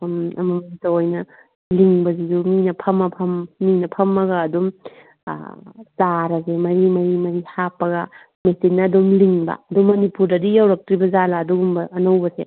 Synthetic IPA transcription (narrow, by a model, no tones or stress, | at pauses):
mɐ̰mɐmaitɐojnɐ | liŋbɐziduminɐpʰɐmɐpʰɐmːinɐpʰɐmːɐɡɐːdum̰ | saɾɐzemɐɾimɐɾimɐɾihapːɐɡɐ | mesinnːɐːdumliŋbɐ̰ɐduŋmɐnipuɾdɐdijɐwɾɐk̚tɾibɐzalaːduɡumbɐɐnɐwbɐsḛ